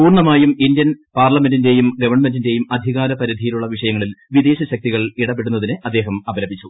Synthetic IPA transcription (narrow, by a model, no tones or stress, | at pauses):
puːrɳɐmaːjumindjɐnpaːrlɐmendinde̞ːjumɡɐʋɐrɳme̞ndinde̞ːjumɐd̪ʱiɣaːɾɐpɐɾid̪ʱijiluɭːɐʋiʂɐjɐŋːɐɭilʋid̪e̞ːɕɐɕɐk̚t̪iɣɐɭiɽɐpːeɽunːɐðinɨɐd̪ːe̞ːɦɐmɐbɐlɐbʱit͡ɕːu